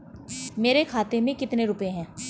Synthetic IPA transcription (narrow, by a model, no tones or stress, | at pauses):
meːɾekʰaːt̪emẽkɪt̪neɾʊpeɦɛ̃ː